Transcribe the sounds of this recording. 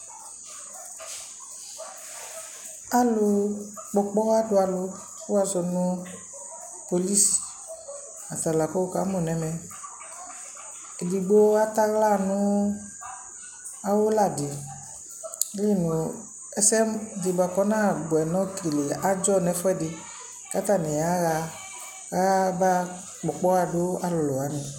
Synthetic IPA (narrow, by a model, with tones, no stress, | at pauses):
a˦lʊ˧k͡pɔ˧k͡pɔ˦a˦dʊ˧a˨lʊ˧ | fʊ˦a˦zɔ˧nʊ̃˦ | po˧li˦si̥˨ | a˨t̪a˨la˨ko˦o˦ka˨˦mɔ˨nɛ˨˦mɛ˨ | e˨di˨ɡ͡bo˦a˦t̪a˦ɣla˦˨nʊ̃˦ | a˦wo˦la˨dɪ˨˦ | li˦˨nu˨ | ɛ˦sɛ˦mdi˨ba˨kɔ˦nã˦˨ɡ͡bɛ˨nɔ̃˦kʰe˨le˨a˦d͡ʒɔ˦˨nɛ˨˦fɔ˦ɛ˦˨dɪ˧ | ka˨˦t̪a˦˨nɛ̃˨a˨˦ɣa˧ | ɣa˦ba˦ | k͡pɔ˨k͡pɔ˦ɣa˦dʊ˦a˦lʊ˨lɔ˨a˨˦nɪ̃˨